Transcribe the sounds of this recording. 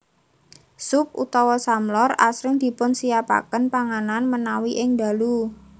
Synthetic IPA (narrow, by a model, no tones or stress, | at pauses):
sʊp̚ʔṵt̪ɔwɔsamlɔra̰sɾɪŋd̪̥i̤pʊnsijapa̰kənpaŋananmənawiʔɪŋd̪a̤lu